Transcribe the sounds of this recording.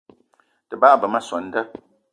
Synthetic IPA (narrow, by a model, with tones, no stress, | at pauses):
tɨ˨ba˦˨bə˨ma˦sɔ˨n̩˨də˦